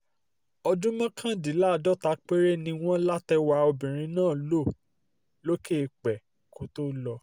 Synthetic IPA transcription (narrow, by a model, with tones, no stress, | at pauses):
ɔ˧dũ˦mã˦kʰã˦di˨˦la˦˨dɔ˦ta˧˦k͡pe˦ɾe˦nĩ˧w̃ɔ̃˦la˦tɛ˧wa˧o˧bĩ˨ɾ̃ĩ˧nãː˦˨lo˦˨ | lo˦ke˦˧˨k͡pɛ˨ko˨˦to˦lɔ˧